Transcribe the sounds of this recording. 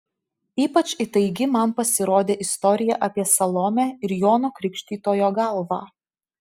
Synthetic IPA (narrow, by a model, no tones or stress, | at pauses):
iːpɐt͡ʃʲɪt̪ɐɪɡʲɪmɐnpɐsʲɪɾoːd̪ʲeːʔɪst̪ɔɾʲɪjɛʔɐpʲiɛsɐlˠɔmʲæːɪɾjoːnoːkɾʲɪkʃʲt̪ʲiːt̪oːjoːɡɐlˠʋɑː